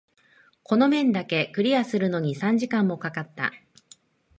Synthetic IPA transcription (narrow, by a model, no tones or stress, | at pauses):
ko̞no̞mẽ̞nd̪ake̞kɯ̟ɾʲiasɨɾɯ̟no̞ɲ̟isãɲ̟d͡ʑikãmːo̞kakat̪ːa̰